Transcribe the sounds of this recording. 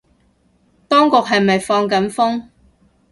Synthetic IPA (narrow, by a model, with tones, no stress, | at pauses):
t̪ɔː˥ŋkʊ˨k̚ɦɐ˨jmɐ˨jfɔː˧ŋk̬ɐ˨˥nfʊ˥ŋ